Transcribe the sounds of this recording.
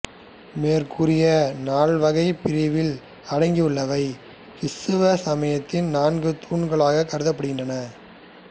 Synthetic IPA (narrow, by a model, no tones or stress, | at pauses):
meːrkʰɯrɪjɐnaːɭʋɐɣɐɪpɪɾɪʋɪl | ɐɽɐŋɡiɯɭːɐʋɐɪ | ɪsɯʋɐsɐmɐjɐt̪ːɪnnaːnɡɯt̪ʰuːɳɡɐɭaːɣɐkːɐɾɯðɐpːɐɽɯɣɪndrɐnɐ